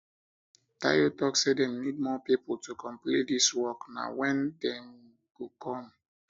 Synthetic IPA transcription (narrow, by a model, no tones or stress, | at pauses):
ta̰jotɔksedɛ̃mnid̚mɔpipotukʰɔ̃mplitdiswɔkna̰wɛ̃ndɛ̃m | ɡ̥okʰɔ̃m